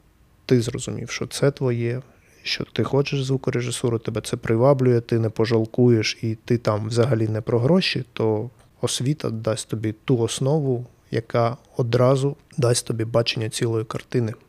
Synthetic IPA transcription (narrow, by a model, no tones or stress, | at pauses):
t̪ɪzrɔzʊmʲḭwʃɔt̪sɛt̪ʋɔjɛ | ʃt͡ʃɔ̰t̪ɪxɔt͡ʃeʒzʋukʊɾeʒɪsuɾʊt̪ɛbɛt̪sɛpɾʔɪʋɑblʲʊjɛt̪ɪnɛpɔʒɐlˠkujeʃit̪ɪt̪ɑmwzɐɦɐlʲinɛpɾɔɦɾɔʃʲit̪ɔ | ɔsʲʋʲit̪ɐ̰d̪ɑsʲt̪ɔbʲit̪uɔsnɔʋʊ | jɐ̰kɑ | ɔd̪ɾɑzʊ | d̪ɑsʲt̪ɔbʲibɑt͡ʃenʲːɐt͡sʲilˠɔjikɐrt̪ɪnɪ